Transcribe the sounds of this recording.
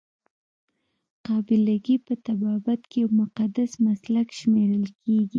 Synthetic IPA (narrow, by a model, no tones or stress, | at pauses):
qɑbɪlaɡipət̪abɑbat̪kejawmʊqad̪asmaslakʃmeɾəlkʰeɡi